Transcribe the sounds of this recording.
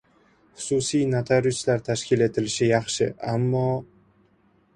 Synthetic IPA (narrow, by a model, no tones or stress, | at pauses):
χʊ̥sʊsijnat̪ʰaɾʊt͡ʃlaɾt̪ʰaʃkʲɪle̞t̪ʰɪlɪʃɪjɑχʃɪ̰amːɒ